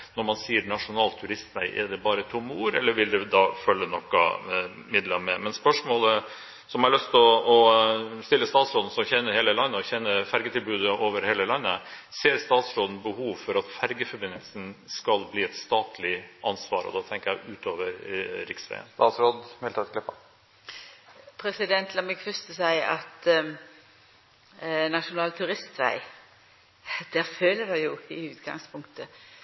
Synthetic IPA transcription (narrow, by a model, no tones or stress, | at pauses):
nɔɾmɑnsiːəɾɳɑʂʊnɑːlt̪ʰʉɾɪst̪næɪʔɛ̰d̪ɛbɑːɾət̪ʰʊmːəuːɾɛlːəɾʋɪld̪ɛd̪ɑfœlːənɔkːɑ̰ | mɪd̪lɑmɛmɛnspœʂmoːlə | sɔmhɑɾɭœst̪ɔɔst̪ɪlːəst̪ɑːt̪sɾoːd̪n̩sɔçɛnːəɾheːləlɑnːəɔçɛnːəfæɾɡət̪ʰɪlbʉːd̪əoːʋəɾheːləlɑnːəseːɾst̪ɑːt̪sɾoːd̪ən̩bəhuːʋfɔɾɑt̪fæɾɡəfɔɾbɪnːəlsən̩skɑlbliːɛt̪st̪ɑːt̪ʰlɪʔɑnsʋɑ̰ːɾɔ̰d̪ɑːt̪ʰɛŋkəjæɪʉːt̪ʰoːʋəɾɾɪksʋæ̰ɪə̰nst̪ɑːt̪sɾoːd̪mɛlʰɑt̪klɪpːɑ | pʰɾɛsɪd̪ɛnt̪ʰlɑmɛɡfœst̪əsæɪʔɑt̪ | nɑʂʊnɑːlt̪ʰʉɾɪst̪ʋæ̰ɪ | d̪̥æːɾføːlədɑjʊɪʉːt̪ɡɑ̰ŋspʰʊŋkt̪ʰə